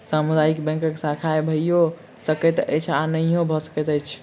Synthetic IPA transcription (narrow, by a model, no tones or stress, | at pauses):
samud̪ajikbɛ̃ŋkəkesakʰaebʱəijo | səkɛt̪ə̰jt͡ʃʰanəiobʱɔsə̥kɛt̪əjt͡ʃʰ